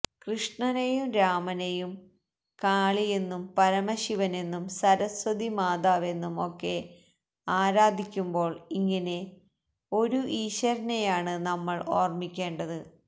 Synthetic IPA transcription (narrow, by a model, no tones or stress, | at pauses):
krɨʂɳɐnejumɾaːmɐnejum | kaːɭijenːumpɐɾɐmɐɕiʋɐne̞nːumsɐɾɐswɐd̪ʱimaːd̪aːʋe̞nːumo̞kːe̞ | aːɾaːd̪ʱikʲːumbo̞ːɭiŋːɐne̞ | o̞ɾuʔiːɕɐɾɐnejaːɳɨnɐmːɐɭoːrmikʲːe̞ːɳɖɐðɨ